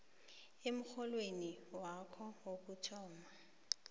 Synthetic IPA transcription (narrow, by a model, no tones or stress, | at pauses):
emʊk͡xʰɔlweniwakʰɔwokʊtʰɔːma